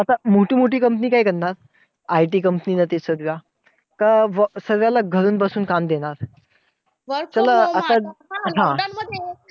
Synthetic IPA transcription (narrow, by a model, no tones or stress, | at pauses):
at̪amoʈiːmoʈiːkəmpəniːkaikəɾnaɾ | ajʈiːkəmpəniːnat̪esəɾʋja | kaʋəsəɾʋjalaɡʱəɾuːnbəsuːnkamd̪eɽ̃aɾ | t͡ɕələat̪aɦã